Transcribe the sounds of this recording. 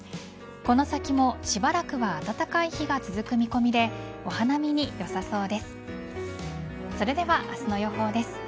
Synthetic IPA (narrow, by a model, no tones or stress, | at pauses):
ko̞no̞sakʲimo̞ɕibaɾakɯ̟βaːt̪at̪akaiçiɡat͡sɨzɨkɯ̟mʲiko̞mʲid̪e̞ | o̞hanamʲiɲ̟ijo̞saso̞ːd̪e̞sɨ̥ | so̞ɾe̞d̪e̞βaʔasɨno̞jo̞ɦo̞ːd̪e̞sɨ̥